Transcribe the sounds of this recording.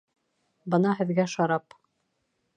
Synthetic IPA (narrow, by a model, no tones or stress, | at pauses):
bɤnɑɦɘ̆ðɡæʃɑɾɑp